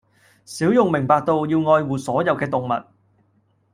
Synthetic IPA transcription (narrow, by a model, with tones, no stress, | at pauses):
siː˨˥wjʊ˨ŋmɪ˨˩ŋpaː˨˧k̚t̪o˧wjiː˧wŋɔː˧jwuː˨˩sɔː˨˥jɐ˨˧wkɛː˧t̪ʊ˨ŋmɐ̰˨t̚